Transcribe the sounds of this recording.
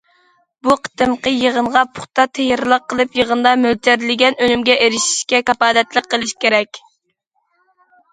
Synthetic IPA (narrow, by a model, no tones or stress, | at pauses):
buqʰə̥t̪ɨmqəjəʁənʁɑpʰʊ̥χt̪ɑt̪ʰejɾlˠəqːəlˠɨpjəʁənd̪ɑmølt̪ʰɛɾlɪɡʲɛnønymɡʲɛʔeɾɪʃi̥ʃkʲɛkɑpɑːd̪ɛt̪lˠəqːəlˠɨʃkʲʰeɾɛkʲ